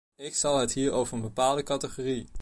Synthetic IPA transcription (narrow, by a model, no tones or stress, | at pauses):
ɪksɑlˠɦətɦiːɹowvəɹənbəpaːlˠdəkɑtəχori